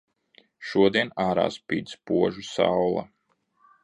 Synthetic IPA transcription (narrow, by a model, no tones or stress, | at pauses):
ʃuɔd̪iɛnaːɾa̰ːspiːd̪spuɔʒusa̰wlˠa̰